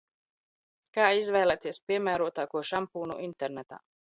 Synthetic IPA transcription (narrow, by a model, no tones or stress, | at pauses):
kaːizvɛjlˠæt̪iɛspʲiɛmæːɾuɔt̪aːkuɔʃampuːnṵʔint̪ɛɾnɛt̪a̰ː